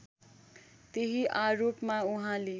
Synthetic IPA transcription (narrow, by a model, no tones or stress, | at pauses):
t̪eɦiʔaɾopmauɦãle